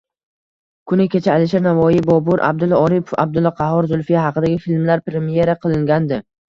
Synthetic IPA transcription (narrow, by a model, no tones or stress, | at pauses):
kʰʊnɪkʲʰe̞t͡ʃʰaːlɪʃ̬aɾnavɒjɪbɒbʊɾʔa̰b̚d̪ʊlˠɒɾipʰo̥fa̰b̚d̪ʊlˠːɒqʰɑɦɒɾzʊlˠfijahɑqʰɨd̪aɡʲɪfilmlaɾpɾemije̞ɾaqʰɨlˠɪŋɡʲand̪ɪ